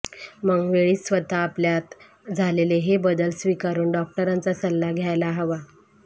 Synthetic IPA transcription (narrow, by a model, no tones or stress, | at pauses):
məŋɡʋeɭiːsʋət̪aːpljat̪ | d͡zʱaleleɦebəd̪əlsʋikaɾuːɳɖɔk̚ʈəɾant͡sasəlːaɡʱjajlaɦəʋa